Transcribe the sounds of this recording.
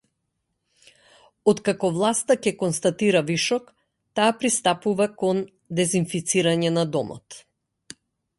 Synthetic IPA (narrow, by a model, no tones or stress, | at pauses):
ɔt̪kakɔvlˠast̪acɛkɔnst̪at̪iɾaviʃɔk | t̪aːpɾist̪apuvakɔn | d̪ɛzinfit̪siɾaɲɛnad̪ɔmɔ̰t̪